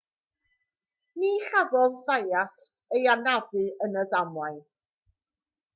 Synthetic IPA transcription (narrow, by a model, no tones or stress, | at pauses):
niːχavɔðsajatʰ | ejanavɨənəðamwaj